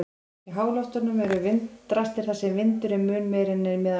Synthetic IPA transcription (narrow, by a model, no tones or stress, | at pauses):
iɦaːwlɔwht̪ʏnʏmɛɾʏvɪnt̪ːɾast̪ɪɾ̥θasɛmvɪnt̪ʏɾɪmʏːnmɛjɾɪnːɪmɛð